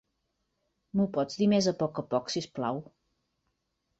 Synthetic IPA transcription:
mupɔd͡zd̪imezəpɔkəpɔksisplaw

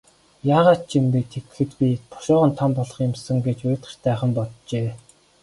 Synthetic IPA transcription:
jaːʁaːt̪̚t͡ɕʰimp̪eːt̪ʰet̆xɘ̆t̪pʲit̪ʰʊ̥ʃɔːʁə̆nt̪ʰɔmpɔɮɞ̆χjɪ̆msə̆ŋɡet͡ɕʊːt̪χə̆t͡ɕt̪æːχə̆mpɔtt͡ɕeː

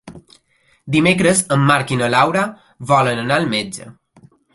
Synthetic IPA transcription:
d̪imekɾəzəmːaɾkinəlawɾa | βɔlənənalmed͡ʒə̰

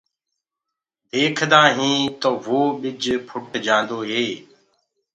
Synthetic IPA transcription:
d̪eːkʰd̪aːɦĩːt̪oːʋoːɓɪd͡ʒpʰʊʈd͡ʒãːnd̪oːɦeː

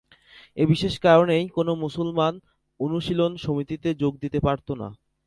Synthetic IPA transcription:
ebiʃeʃkaɾonejkonomusulman | onuʃilonʃomit̪it̪ed͡ʑoɡ̚d̪it̪epaɾt̪ona̰

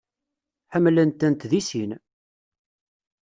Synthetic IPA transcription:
ħəmːlənt̪ənt̪ðisin

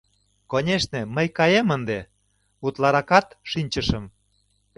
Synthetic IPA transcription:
konʲeʃneməjkɑjemənd̪e | ut̪lɑɾɑkɑt̪ʃinʲt͡ɕəʃəm

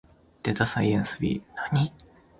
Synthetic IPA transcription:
d̪̥et̪asaiẽñsɨbʲḭnaɲ̟i

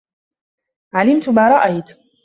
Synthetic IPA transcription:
ʕalɪmt̪maːɾˤɑʔajt̪

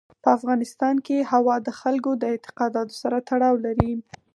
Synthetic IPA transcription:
pəafɣɑnɪst̪ɑnkehawɑd̪əxalkod̪əɪnt̪ɪ̥qɑd̪ɑt̪o̥saɾat̪aɽɑwlaɾi

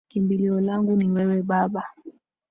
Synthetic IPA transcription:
kimbiliɔlaŋɡuniwɛwɛɓaɓa

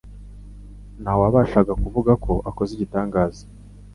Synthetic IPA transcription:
nawaβaːʃaɡakuvuɡakʰo̞ʔako̞ziɟitaːŋɡaːzi̥

